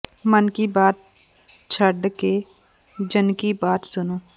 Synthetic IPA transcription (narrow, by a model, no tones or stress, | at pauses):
mənkibaːt̪̚ | t͡ʃʰəɖke | d͡ʒənkibaːt̪sʊnoː